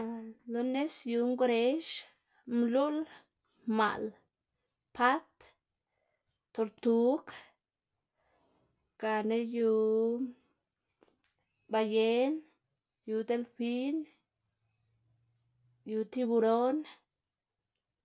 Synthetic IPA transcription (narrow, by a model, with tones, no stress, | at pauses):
lo˧˦ne˦sju˧ŋɡɾe˦ʃ | mlu˦l | ma̰˨l | pʰa˦t̪ | t̪o˨ɾt̪u˦k | ɡ̥a˨ne˦ju˧ | ba˧je˦n | ju˧d̪e˦lfi˦n | ju˧t̪i˦bu˧ɾo˦n